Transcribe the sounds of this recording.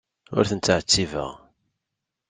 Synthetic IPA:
ʊ̰ɾθənt̪ːəʕt͡sːivə̰ʁ

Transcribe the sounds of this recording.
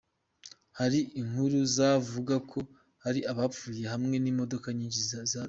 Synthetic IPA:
haɾiʔiŋ̥huɾuzavuɡakʰo̞ | haɾiaβap͡fuːje̞hamŋe̞nimo̞do̞kaɲiːɲɟizaza

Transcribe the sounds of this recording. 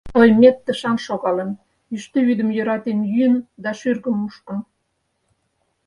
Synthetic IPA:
ojmet̪ːəʃɑnʃoɣɑlem | yʃt̪øβyd̪əmjøɾɑt̪emjyənd̪ɑʃyrɣəmuʃkə̆n

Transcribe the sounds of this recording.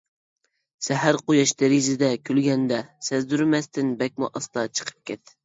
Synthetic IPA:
sɛɦæɾqojɑʃt̪eɾizɪd̪ɛkʲʰylɡʲɛnd̪ɛsɛzd̪yɾmɛst̪ɪnbɛk̚ʲmuʔɑst̪ɑt͡ʃʰə̥qʰə̥p̚kʲʰɛt̪

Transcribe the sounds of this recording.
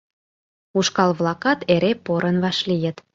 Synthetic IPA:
uʃkɑlβlɑkɑt̪eɾepoɾʔənβɑʃlijə̆t̪

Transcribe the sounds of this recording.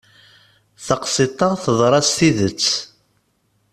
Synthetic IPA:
θɑqsit̪ˤɑθəðˤɾˤɑsθiðət͡sː

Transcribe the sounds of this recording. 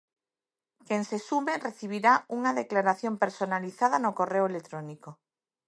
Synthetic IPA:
keŋsesumereθiβ̞iɾauŋaðeklaɾaθjompeɾsonaliθaðɐnokoreoelet̪ɾoniko

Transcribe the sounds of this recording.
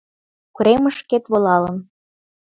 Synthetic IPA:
kuɾeməʃket̪βolɑlə̆n

